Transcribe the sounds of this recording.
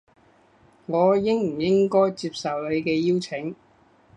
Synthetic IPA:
ŋɔː˨˧jɪ˥ŋm̩˨˩jɪ˥ŋkɔː˥jt͡siː˧p̚sɐ˨wle˨˧jkɛː˧jiː˥wt͡sʰɪ˨˥ŋ

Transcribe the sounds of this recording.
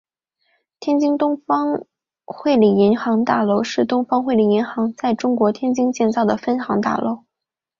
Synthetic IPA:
t̪ʰjɛ˥nt͡ɕi˥ŋt̪ʊ˥ŋfɑ˥ŋ | xwe˥˩ɪli˨˩i˧˥ŋxɑ˧˥ŋt̪a̰˥˩lo˧˥ʊʂɻ̩˥˩t̪ʊ˥ŋfɑ˥ŋxwe˥˩ɪli˨˩i˧˥ŋxɑ˧˥ŋt͡sa˥˩ɪʈ͡ʂʊ˥ŋkwɔ˧˥t̪ʰjɛ˥nt͡ɕi˥ŋt͡ɕjɛ˥˧nt͡sɑ˥˩ʊd̪ə˩fə˥nxɑ˧˥ŋt̪a̰˥˩lo̰˥˩ʊ

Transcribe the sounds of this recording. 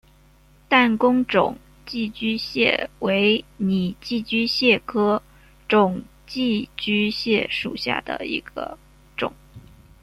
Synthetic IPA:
t̪a˥˩nkʊ˥ŋʈ͡ʂʊ̰˨˩ŋ | t͡ɕi˥˩t͡ɕy˥ɕjɛ̰˥˩we˧˥ɪni˨˩t͡ɕi˥˩t͡ɕy˥ɕjɛ˥˩kʰɤ˥ | ʈ͡ʂʊ˨˩ŋ | t͡ɕi˥˩t͡ɕy˥ɕjɛ˥˩ʂṵ˨˩ɕja̰˥˩d̪ə̰˩ḭ˧˥ɡ̥ə̰˧ | ʈ͡ʂʊ̰˨˩˦ŋ

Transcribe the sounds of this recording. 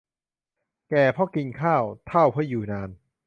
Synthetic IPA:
kɛː˨˩pʰɔ˦˥˩ki˧nkʰaː˥˩wt̪ʰa˥˩wpʰɯ˥˩˨juː˨˩naː˧n

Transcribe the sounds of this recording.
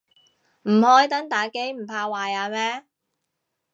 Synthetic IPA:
m̩˨˩hɔː˨˥jt̪ɐ˨˥ŋt̪aː˨˩jke˨˥jm̩˨˩pʰaː˧waː˨˧jaː˧mɛː˥

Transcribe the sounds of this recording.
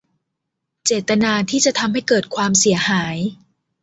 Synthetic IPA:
t͡ɕeː˨˩t̪ːa˧naː˧t̪ʰiː˥˩t͡ɕa˨˩t̪ʰa˧mha˥˩jkɤː˨˩t̪̚kʰwaː˧msi˩˦ɐhaː˩˦j

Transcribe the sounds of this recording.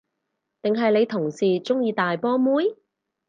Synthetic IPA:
t̪ɪ˨ŋɦɐ˨jle˨˧jt̪ʰʊ˨˩ŋsiː˨t͡sʊ˥ŋjiː˧t̪aː˨jpɔː˥muː˨˥j

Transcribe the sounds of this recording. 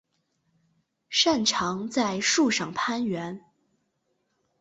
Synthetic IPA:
ʂa˥˩nʈ͡ʂʰɑ˧˥ŋt͡sa˥˧ɪʂu˥˧ʂɑ˥˩ŋpʰa˥nɥɛ˧˥n

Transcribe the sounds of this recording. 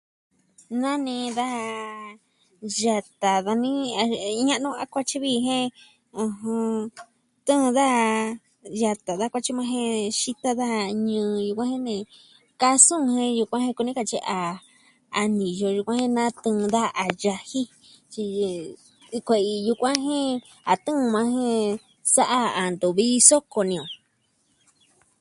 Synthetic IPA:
nã˦nĩ˧d̪a˦ha˧ | ʒa˧t̪a˨ða˧nĩ˦a˧ɲã˦ʔnũ˧a˧kʷa˧t͡ʃi˦βi˦˧ɦẽ˦ | ɨ̃˧ɦɨ̃˧ | t̪ɨ̃˦˧ða˦a˧ | ja˧t̪a˨ða˦kʷa˧t͡ʃi˦mã˧ɦẽ˧ʃi˧t̪a˦ða˦ha˧ɲɨ̃ː˧ju˧kʷã˦hẽ˦nẽ˧˨ | ka˦sũ˦˧hẽ˦ju˧kʷã˦hẽ˧˦ku˧nĩ˦ka˧t͡ʃi˧ʔa˧ | a˧nĩ˨jo˧ju˧kʷã˦hẽ˦nã˦t̪ɨ̃˧ða˦˧a˨ʒa˧hi˦ | t͡ʃi˧ | kʷe˧i˧ju˧kʷã˦ɦẽ˦ | a˨t̪ɨ̃˦˧mã˧ɦẽ˦ | sa˦ʔa˧a˨nd̪u˨βi˦˧so˦ko˨nĩ˧õ˨

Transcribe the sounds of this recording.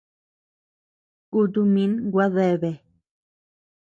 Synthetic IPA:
ku˧t̪̬u˧mĩ˧˦nɡʷa˦ðe˧˨βe˨

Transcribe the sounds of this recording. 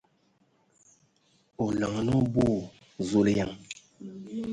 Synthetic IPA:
o˨la˨ŋ˨no˦bo˦˨ | zo˦le˦ja˦˨ŋ

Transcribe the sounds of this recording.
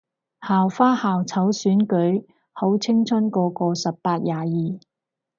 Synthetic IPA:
haː˨wfaː˥haː˨wt͡sʰɐ˨˥wsyː˨˥nkɵ˨˥ɥ | ho˨˥wt͡sʰɪ˥ŋt͡sʰɵ˥nkɔː˧kɔː˧sɐ˨pːaː˧t̚jaː˨jiː˨

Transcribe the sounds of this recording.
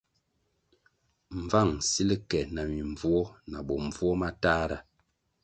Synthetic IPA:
ɱ̩˨va˦˨ŋsi˦li˦kɛ˨na˨mi˨ɱvu˦ɔ˦na˨ɓɔ˨ɱ˨vu˦ɔ˦ma˦taː˦ɾa˨

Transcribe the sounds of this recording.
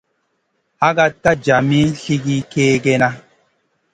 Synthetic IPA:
ha˦ɡa˦tːa˦d͡ʒa˨mi˦ɬi˦ɡi˦keː˦ɡe˦na˦

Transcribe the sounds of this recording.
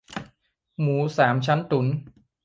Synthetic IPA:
muː˩˦saː˩˦mt͡ɕʰa˦˥nt̪u˩˦n

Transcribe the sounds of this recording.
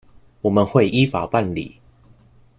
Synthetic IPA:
wɔ˨˩mə˦nxwe˥˨ɪʔi˦fa˨pa˥˨nlḭ˨˦

